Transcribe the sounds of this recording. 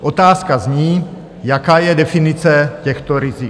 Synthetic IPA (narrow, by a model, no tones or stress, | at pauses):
ʔot̪aːskazɲiː | jakaːjɛdɛfɪnɪt͡sɛcɛxt̪oɾɪzi